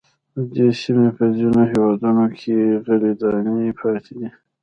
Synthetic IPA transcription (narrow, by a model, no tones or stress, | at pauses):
d̪əd̪esimepəzinoɦewɑd̪unokʰeɣəled̪ɑnipʰɑt̪ʰed̪i